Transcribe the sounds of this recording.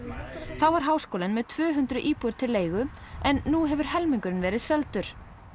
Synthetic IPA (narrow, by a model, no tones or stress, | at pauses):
θawvaɾ̥ɦaːwskoːwlɪnmɛðt̪ʰvʏːɦʏnt̪ɾʏʔiːpuʏɾ̥t̪ʰɪlːeːjɣʏ | ɛnːuɦɛvʏɾ̥ɦɛlmiŋkʏɾɪnvɛːɾɪðsɛlt̪ʏɾ̥